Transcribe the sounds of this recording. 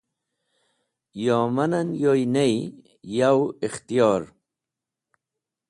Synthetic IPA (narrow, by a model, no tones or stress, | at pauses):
joːmɐnɐnjojnej | jawixt̪ijoːɾ